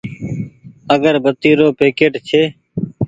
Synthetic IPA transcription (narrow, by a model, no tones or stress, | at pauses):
əɡəɾbət̪iːɾoːpeːkeːʈt͡ʃʰeː